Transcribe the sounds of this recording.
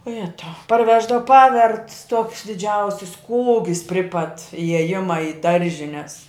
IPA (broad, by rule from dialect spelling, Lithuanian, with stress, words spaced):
oː ˈjæːtɐʊ pɐrʲˈʋʲæːʒdɐw ˈpɑːʋʲɛrt tuɔks dʲɪˈd͡ʒʲɛʊsʲɪs ˈkuːɡʲɪs pʲrʲɪ pɐt ɪjɛˈjɪmɐ ɪ ˈdɐrʲʒʲɪnʲɛs